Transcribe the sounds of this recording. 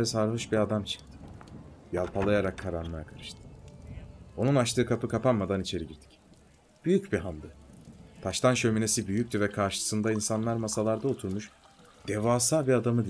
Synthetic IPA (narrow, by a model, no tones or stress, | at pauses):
ɛsaɾɦoʃbiad̪amt͡ʃʰɯ̥k̚t̪ʰɯ̥ | jalˠpʰalˠajaɾakʰːaɾanlˠaakʰaɾɯ̥ʃt̪ʰɯ̥ | o̞nunaʃt̪ʰɯːkʰapʰɯkʰapanmad̪anit͡ʃʰe̞ɾiɟiɾd̪ʰi̥c | b̥yjycbiɦand̪ɯt̪ʰaʃt̪ʰanʃø̞mine̞sibyjyc̚ʲt̪yvɛkʰaɾʃɯ̥sɯnd̪ainsanlˠaɾmasalˠaɾd̪ao̞t̪ʰuɾmuʃ | d̪̥evaːsabiad̪amɯd̪i